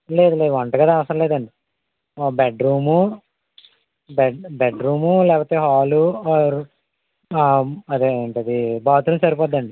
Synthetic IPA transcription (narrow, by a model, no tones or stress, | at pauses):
leːd̪uleːd̪ʋɐɳʈɐɡɐd̪aːɐʋɐsɐɾɐleːd̪ɐɳɖi | beɖɾuːmu | bbeɖɾuːmulɛːpoːt̪eːɦaːluɾ | ɐd̪eeɳʈɐd̪ibaːt̪ulɐt͡ʃɐɾipɔːd̪ːɐɳɖi